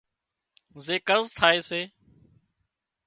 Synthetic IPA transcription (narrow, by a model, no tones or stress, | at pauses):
zeːkəzt̪ʰaːeːseː